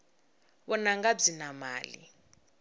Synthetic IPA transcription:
βɔnaŋɡab͡ʐinamaːlḭ

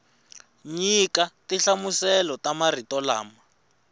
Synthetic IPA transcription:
ɲikatiɬamusɛlɔtamaritɔla̰ːma

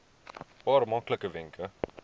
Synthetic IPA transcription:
pɑːrmɐkləkəvɪŋkʰə

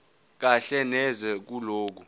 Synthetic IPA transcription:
k̬aɬɛnɛzɛk̬uloːk̬u

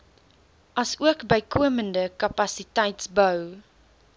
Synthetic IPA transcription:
ʔɐsuəkbəjkʰuəməndəkɐpɐsitɛjtsbəw

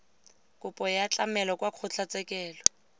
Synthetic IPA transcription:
kʊpʼɔjat͡ɬʼamɛlɔkwaq͡χʰʊt͡ɬʰat͡sʼɛkʼɛːlɔ

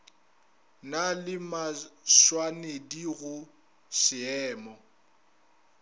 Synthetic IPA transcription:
nalɪmaʃwanediɣʊ | sɪɛːmɔ

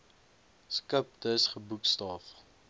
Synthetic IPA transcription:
skəp̚d̪əsχəbukst̪ɑːf

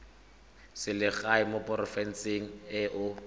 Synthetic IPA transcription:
sɪlɪɣaɪmopʼɔrɔfɛn̩seŋ̩ɪʔʊ

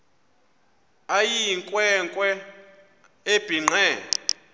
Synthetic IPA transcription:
ajiŋkʼwɛŋkʼwɛ | eb̥ʱiŋ͡ǁʱɛː

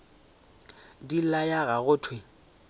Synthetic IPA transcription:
dilajaɣaɣʊːtʰwe

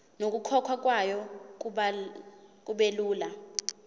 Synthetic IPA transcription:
nok̬ukʰɔkʰwak̬ʼwajɔ | k̬ʼuɓeluːla

